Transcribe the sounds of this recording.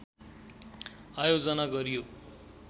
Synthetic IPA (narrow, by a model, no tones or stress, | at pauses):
ajod͡zʌnaɡʌɾijo